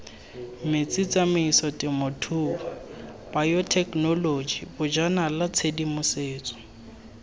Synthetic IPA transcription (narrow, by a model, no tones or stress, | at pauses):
mɪt͡sit͡samɪisɔtʼɪmʊtʰuː | b̥ajɔtʰɛknɔlod͡ʒibʊd͡ʒanalat͡sʰedimʊseːt͡sʼɔ̥